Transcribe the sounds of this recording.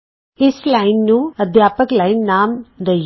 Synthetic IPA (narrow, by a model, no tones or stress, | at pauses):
ɪslaːɪnːũːəd̪ʱjaːpəklaːinnaːmd̪ə